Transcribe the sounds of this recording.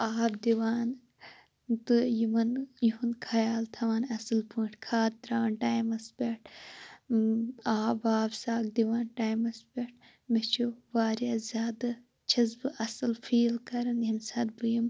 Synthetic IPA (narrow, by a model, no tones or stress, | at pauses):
aːbd̪iwaːn | t̪ɨjimɐnjuɦunkʰɐjaːlt̪ʰɐwaːnɐsɨlpɨ̃ːʈʰkʰaːt̪̚d̪ɾaːɐnʈaːjmɐsbeʈ̚ʰ | aːbaːbsaːk̚d̪iwaːnʈaːjmɐsbeʈ̚ʰ | met͡ʃʰuʋaːɾjaːzʲaːd̪ɐ | t͡ʃʰɐzbɨʔɐsɐlfʰiːlkɐɾɐnɦimsɐd̪̚bɨjim